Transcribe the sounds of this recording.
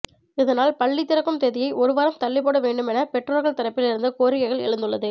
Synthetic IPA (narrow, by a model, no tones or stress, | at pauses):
ɪðɐnaːlpɐɭːit̪ːɪɾɐkːɯmt̪eːðɪjɐɪʔɔɾɯʋɐːɾɐmt̪ɐɭːɪpːoːɽɐʋeːɳɖɯmɛnɐpɛʈroːɾɣɐɭt̪ɐɾɐpːɪlɪɾɯnd̪ɐkoːɾɪjɐɪɣɐɭɛ̰ɻɯnd̪ɯɭːɐðɯ